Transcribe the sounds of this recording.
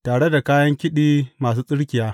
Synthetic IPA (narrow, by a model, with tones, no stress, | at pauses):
taː˨ɽe˦da˨kaː˦jɐ˦ŋkʲɪ˦ɗiː˦maː˨s̬uː˦sʼɪ˦ɽkʲɪ˨jaː˦